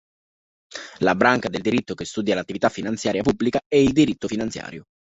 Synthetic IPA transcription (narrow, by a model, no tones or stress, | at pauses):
labɾaŋkad̪eld̪iɾit̪ːokest̪uːd̪jalat̪ːivit̪afːinant̪sjaːɾjapubːlikaɛild̪iɾit̪ːofinant̪sja̰ːɾjo